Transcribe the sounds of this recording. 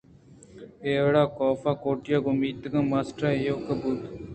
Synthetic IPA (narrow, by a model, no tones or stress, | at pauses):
eːʋɽaːkoːfaːkoːʈjaːɡʊmiːt̪əɡãːmaːsʈaːjoːkəbuːt̪